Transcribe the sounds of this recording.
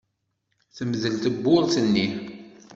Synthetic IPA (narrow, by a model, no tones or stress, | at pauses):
θəmðəlt̪əbːʊɾˤθənːi